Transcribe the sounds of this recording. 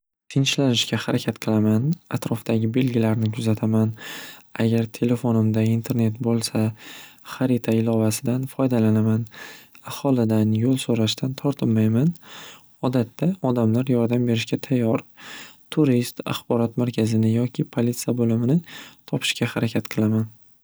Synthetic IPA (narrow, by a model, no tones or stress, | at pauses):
t̪ʰɪnʃlanɪʃkʲahaɾʔakʲʰat̪qʰɨlˠamanat̪ɾɒfd̪̥aɡʲɪbe̞lɡʲɪlaɾnɪkʰʊzat̪ʰamanaɡʲaɾt̪ʰe̞le̞fo̞nɪmd̪aint̪ʰe̞ɾne̞t̪bolˠsaχaɾit̪ʰaɪlˠɒvasɪd̪anfɒjd̪alanamanahɒlˠɪd̪anjolˠsoɾaʃt̪ʰant̪ʰɒɾt̪ʰɪmːajman | ɒd̪at̪ʰːaɒd̪amlaɾjɒɾd̪ambe̞ɾɪʃkʲat̪ʰajːɒɾt̪ʰʊɾist̪a̰χbɒɾɒt̪maɾkʲʰazɪnɪjɒkʲʰɪpʰolit̪sijabolɪmɪnɪt̪ʰɒpʰɪ̥ʃkʲahaɾakʲʰat̪qʰɨlˠaman